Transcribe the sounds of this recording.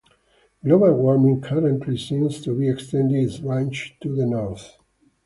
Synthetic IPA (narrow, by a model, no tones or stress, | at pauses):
ɡlobəlwɔɹmĩŋkʰaɾə̃nt̪ʰlisĩmst̪ubiɛkst̪ɛ̃nd̪izɹãnt͡ʃt̪uðənɔɹθ